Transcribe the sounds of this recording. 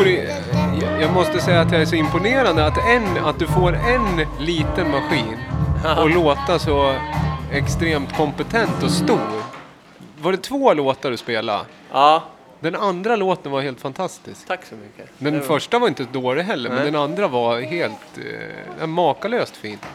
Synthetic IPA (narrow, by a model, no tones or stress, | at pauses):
ɾ | jɑːɡmɔst̪əsɛjːaːt̪jaɛʂɔɪmpʊneːɾand̪əat̪ɛnat̪̚d̪ɵfoːɾɛnliːt̪ənmaɧiːnɔloːt̪asɔ | ɛkst̪ɾeːmt̪kʰɔmpɛt̪ʰɛnt̪ɔst̪uːɾ | vaɖɛt̪ʰvoːloːt̪aɾɔspeːla̰ | d̪ɛnand̪ɾaloːt̪ənvaɾheːlt̪fant̪ʰast̪ɪskʰad̪ɛnfœʂʈavaɾɪnt̪əsɔd̪oːlɪɦɛlːəɾmɛnd̪ɛnand̪ɾavaheːlt̪ | ɛmɑːkaløːst̪fiːn